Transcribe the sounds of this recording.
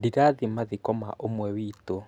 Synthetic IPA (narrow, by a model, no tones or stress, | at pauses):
diɾaðimaðikɔma̰ʔomwɛwito